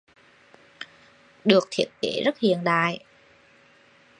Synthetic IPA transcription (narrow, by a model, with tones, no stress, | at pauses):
ɗɨ˨˩ək̚t̪ʰi˨˥ət̚ke˧˩zə˦˥t̚hḭ˧˨ənɗa̰ː˧˨j